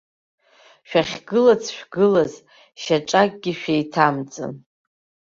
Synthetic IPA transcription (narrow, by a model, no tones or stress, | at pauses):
ʃᶣaχʲɡɨlat͡sʰʃᶣɡɨlaz | ʃaʈ͡ʂʼak̚ʼɡʲiʃᶣajtʰamt͡sʼɨ̰n